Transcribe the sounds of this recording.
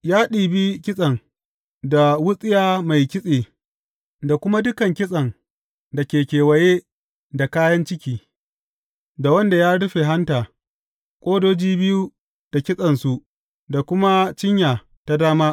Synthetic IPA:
jaː˦ɗiː˨bi˦kʲɪ˦sʼɐ˨ŋ | da˨wʊ˦sʼɪ˦jaː˨ma˨jkʲɪ˦sʼeː˨ | da˨kʷʊ˦ma˦dʊ˦kɐ˨ŋkʲɪ˦sʼɐ˨ŋ | dɐ˨kʲeː˨kʲeː˨wɐ˨jeː˦ | da˨kaː˦jɐ˦nt͡ʃɪ˦kʲiː˨ | da˨wɐ˦nda˨jaː˦ɽʊ˦ɸe˨ɦa˦ntaː˨ | kʷʼoː˦doː˦d͡ʒiː˦bɪ˦ju˦ | d̥a˨kʲɪ˦sʼɐ˨nsu˨ʔ | da˨kʷʊ˦ma˦t͡ʃɪ˦ɲjaː˨ | ta˦daː˦maː˦

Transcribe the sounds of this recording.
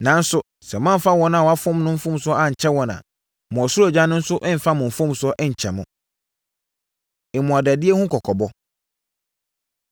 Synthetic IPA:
nã˨˦n̩˦sʊ˨ | sɛ˨m˦ã˦m̩˨fa˦wɔ̃˦nã˨wɔ˨a˦fʊ̃˦mnʊ̃˦m̩˦fʊ̃˦m˦sʊ˦ɔ˦a˦ɲ̩˨t͡ɕʰɛ˦wɔ̃˨nã̰˨ | mʊ̃˨ɔ˨sɾo˨d͡ʑã˦nʊ̃˦n̩˦sʊ˦ʔɛ˦m̩˨fa˦mʊ̃˨m̩˨fʊ̃˦m˦sʊ˦ɔ˦ʔɛ˦ɲ̩˨t͡ɕʰɛ˨mʊ̃˨ | ɪ˨mʊ̃˨a˨dæ˨dɪ˦e˦hʊ̃˦kʰɔ˨kʰɔ˨bɔ˦

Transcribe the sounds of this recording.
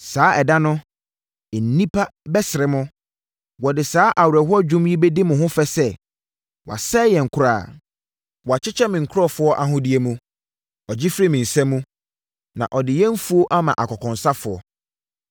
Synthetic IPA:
saː˨˦ɛ˨da˦nʊ̃˦˨ | n̩˨˦nĩ˦pʰa˦bɛ˦sɪ˨ɾɪ˨mʊ̃˦ | wɔ˨dɪ˨saː˦ʔa˨wɛ˨ɦɔ˦d͡ʑᶣʊ̃˦mji˦be˦di˦mʊ̃˨ɦʊ̃˦fɛ˦sɛ˦ | wa̰˨sɛ˦jɛ˨ŋ̩˨kʰʊ˦ɾaː˨ | wɔ˨a˨t͡ɕʰɪ˦t͡ɕʰɛ˦mɪ̃˨ŋ̩˨kʰʊ˦ɔ˦fʊ˦ɔ˦ʔa˨ɦʊ̃˦di˦e˦mũ˦ | ɔ˨d͡ʑɪ˦fɾi˦mĩ˨n̩˨sɛ̃˦mːũ˦ | nã̰˨ʔɔ˨dɪ˨jɛ˦m̩˦fu˦o˦ʔa˦mã̰˨ʔa˨kʰɔ˨kʰɔ̃˨nsa˦fʊ˨ɔ̰˦

